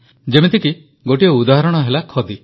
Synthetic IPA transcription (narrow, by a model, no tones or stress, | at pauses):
d͡ʒemit̪iki | ɡoʈieud̪aɦɔɾɔɽ̃ɔɦelakʰɔd̪i